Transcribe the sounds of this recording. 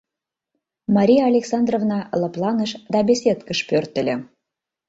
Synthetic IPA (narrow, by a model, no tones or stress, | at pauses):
mɑɾʲijɑːlʲeksɑnd̪rovnɑləplɑnəʃd̪ɑbʲesʲet̪kəʃpørt̪ə̆lʲĕ